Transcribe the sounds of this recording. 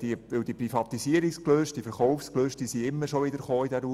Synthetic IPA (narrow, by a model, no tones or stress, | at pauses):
d̥iʋɪwd̥iprifɑt̪isiəɾikskløːʃt̚d̥ifəɾχɔʊfskløːʃtd̥isiɪmːəɾʃoʋɪd̪əɾχoːidɛɾu